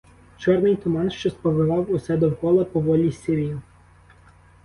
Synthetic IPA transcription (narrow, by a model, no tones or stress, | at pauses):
t͡ʃɔrnɪjt̪ʊmɑnʃt͡ʃɔspɔʋɪʋɑwʊsɛd̪ɔwkɔlˠɐpɔʋɔlʲisʲɪɾʲijʊ